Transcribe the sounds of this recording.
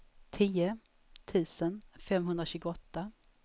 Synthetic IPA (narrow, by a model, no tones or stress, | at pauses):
t̪ʰiːə | t̪ʰʉ̟ːsənfɛmɦɵnd̪ɾaɕʉ̟ːɡʊɔt̪ːa